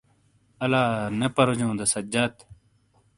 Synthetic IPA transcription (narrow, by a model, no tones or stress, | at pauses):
ɐlaːnɐpɐɾod͡ʑõːd̪ɐsɐd͡ʑat̪